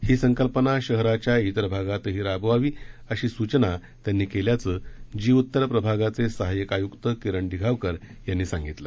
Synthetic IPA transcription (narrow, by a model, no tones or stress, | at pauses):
hiːsəŋkəlpənaɕəɦɾat͡ɕjait̪əɾəbʱaɡat̪əɦiːɾabʋaʋiːəɕiːsut͡ɕna | t̪janːiːkeljat͡səd͡ʑiːut̪ːəɾpɾəbʱaɡat͡sesəɦajəkajukt̪əkeɾəɳd̪ʱiɡʱaʋkəɾjanːiːsaŋɡit̪lə